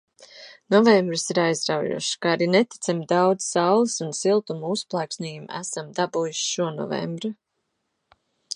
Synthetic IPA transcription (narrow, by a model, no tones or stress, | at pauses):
nɔvembɾɨsiɾajzɾawjṵɔʃkaaɾinɛt̪i̥t̪samd̪awd̪z̥sawlˠisunsilˠt̪umusplˠæːksniːjum̰æ̰samd̪abujuʃʃuɔnɔ̰vɛ̰mbɾa